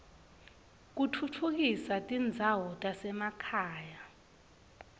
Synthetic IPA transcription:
k̬utʰutʰuk̬isatʼind͡zʱawɔtʼasɛmakʰaːja

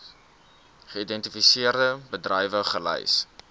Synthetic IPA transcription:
χəidɛntifisiərdəbədrəjvəχəlɛ̰js

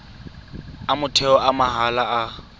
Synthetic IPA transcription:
amʊtʰɛɔʔamaɦalaa

